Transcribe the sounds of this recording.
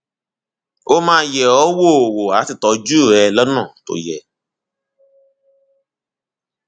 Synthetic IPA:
o˦mãː˦jɛ˨ɔ˦wo˦˨o˨wo˨a˨˦ti˦˨tɔ˧˦d͡ʒu˦˨ɾɛ˧lɔ˦nɔ̃˦˨to̰˨jɛ˨

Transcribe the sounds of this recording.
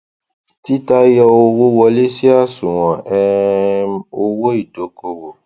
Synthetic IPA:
ti˦ta˦jɔ˧o˧wo˦wɔ˧le˦si˦a˦˨sũ˨w̃ɔ̃˨ɛ˧˦ | o˧wo˦i˦˨do˨˦ko˧wo˨

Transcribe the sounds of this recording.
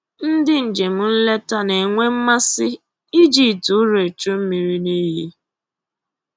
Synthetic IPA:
n̩˦dɪ˦n̩˨d͡ʒe˨m̩˦n̩˦le˦ta˦ne˨ŋʷe˦m̩˦ma˦sɪ˦ | i˦d͡ʒi˨tu˨˦ɾe˨t͡ʃo˦m̩˦mi˨ɾi˦ni˦ɦḭ˦

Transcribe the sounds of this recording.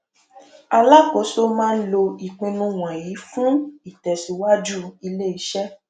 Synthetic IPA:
a˧la˦ko˨˦so˦mãː˦n̩˦lo˧i˨k͡pĩ˧nũ˧˦w̃ã˨ji˨˦fũ˦i˦˨tɛ˨si˧˦wa˦d͡ʒu˦i˧le˦i˨˦ʃɛ˦

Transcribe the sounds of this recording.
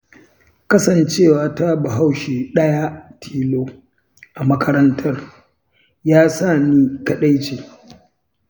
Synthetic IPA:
kɐ˦sɐ˨nt͡ʃeː˦˨waː˨ta˦ba˨ɦa˦˨wʃe˨ɗɐ˦ja˦tʰiː˦˨loː˦ | ʔa˨mɐ˦kʰɐ˦ɾɐ˦ntʰɐ˦r | jaː˦sa˦˨niː˦kɐ˨ɗa˦jt͡ʃeː˨

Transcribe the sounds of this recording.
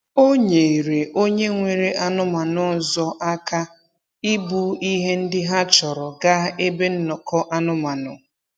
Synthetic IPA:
o˦ɲe˨i˨ɾe˨ʔo˦ɲe˦ŋʷe˨ɾe˦ʔa˦nʊ˦ma˨nʊ˦˨zɔ˦ʔa˦ka˦ | i˦bu˦i˦ɦe˦n̩˦dɪ˦ɦa˦t͡ʃɔ˨ɾɔ˨ɡa˦e˦be˦n̩˦nɔ˨kɔ˦ʔa˦nʊ˦ma˨nʊ̰˨

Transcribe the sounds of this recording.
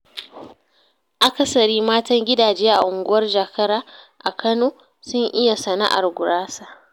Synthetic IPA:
ʔa˦kɐ˦sɐ˨ɽiː˦maː˦tɐ˦ŋɡʲɪ˦daː˨d͡ʒeː˦ʔa̰˨ʔʊ˨ŋɡʷʊ˦wɐ˦rd͡ʒa˨kʰɐ˦ɾaː˦ | ʔa˨kʰɐ˦noː˨ | sʊ˦ŋʔɪ˦ja˨sɐ˨na̰˦ʔa̰˨rɡʷʊ˨ɽaː˦sa˨

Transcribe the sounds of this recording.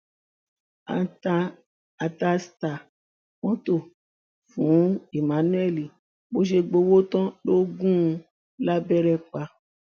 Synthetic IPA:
a̰˧taː˧ | ta˧sta˨ | wɔ̃˦to˦˨ | fũ˨˦i˨mã˨˦nũ˦ɛ˦˨li˨ | bo˦ʃ̬e˧ɡ͡bo˧wo˦tɔ̃˦lo˦ɡũ˦˧ | la˦bɛ˦ɾɛ˦k͡pa˧

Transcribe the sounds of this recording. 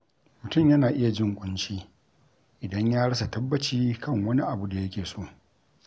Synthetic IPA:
mʊ˨tʊ˦˨mjɐ˦naː˨ʔɪ˦ja˨d͡ʒɪ˦˨ŋkʷʼʊ˦nt͡ʃiː˦ | ʔɪ˨dɐ˦ɲjaː˦ɽɐ˦s̬a˨tɐ˦bːɐ˦t͡ʃiː˦kʰɐ˦˨ŋwɐ˦ni˦ʔa˨bu˦da˨jɐ˦kʲeː˨soː˦˨

